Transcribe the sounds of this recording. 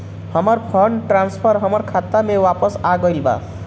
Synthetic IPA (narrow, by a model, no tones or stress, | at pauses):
hʌmʌrpʰʌnʈranspʰʌrɦʌmʌrkʰat̪ːamewapʌsaɡʌjlba̰